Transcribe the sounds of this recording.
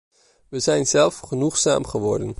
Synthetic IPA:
ʋəzɛjnzɛlˠfχənuχsa̰ːmχəʋɔɹdən

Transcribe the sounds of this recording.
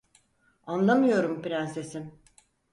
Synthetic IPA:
anlˠamɯjo̞ɾumpiɾænse̞sim

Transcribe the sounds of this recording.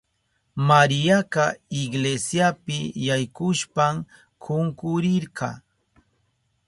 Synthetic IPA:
maɾɪjakɑɪɡlesjapɪjajkʊʃpam | kʰʊŋkʊɾɪɾqɑ̰

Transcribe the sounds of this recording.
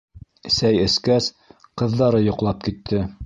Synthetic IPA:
sæjɘ̆skæs | qɤ̆ðːɑɾɤjŏqlˠɑp̚kit̪ʰːɘ

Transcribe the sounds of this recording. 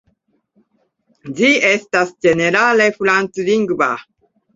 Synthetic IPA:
diɛst̪asd͡ʒeneɾalefulant̪uliŋɡuba

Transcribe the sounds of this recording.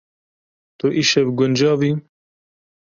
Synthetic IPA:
t̪oʔiʃɛvɡʊnd͡ʒɑːvi

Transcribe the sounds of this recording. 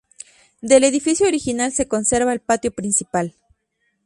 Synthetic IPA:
d̪e̞le̞ðifisjooɾixinalse̞ko̞nse̞ɾβaelpat̪jo̞pɾinsipal

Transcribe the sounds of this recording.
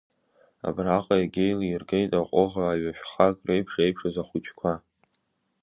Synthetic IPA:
a̰braqʼajaɡʲe̞jliirɡejtʼaqʷʼoʁaːɥaħʷᶣχakʼrejpʰʂejpʰʂazaχut͡ʃʼʰkʷʰa

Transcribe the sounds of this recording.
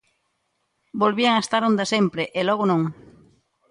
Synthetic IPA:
bolβiaŋast̪aɾõnd̪asempɾeʔelɔɣonõŋ

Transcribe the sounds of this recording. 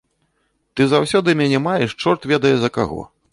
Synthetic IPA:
t̪ɨzawsʲɔd̪ɨmʲanʲɛmajɛʂt͡ʂɔrt̪vʲɛd̪ɐjɛzɐka̰ɣɔ̰

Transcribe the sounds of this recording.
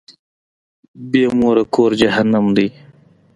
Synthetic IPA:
beːmoːɾɐkoːɾd͡ʑɐɦɐnɐmd̪i

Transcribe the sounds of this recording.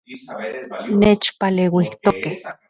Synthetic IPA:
neːt͡ʃpaleːwiht̪okeh

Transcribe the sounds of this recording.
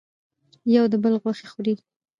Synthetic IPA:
jawd̪əbəlɣwaxexuɾi

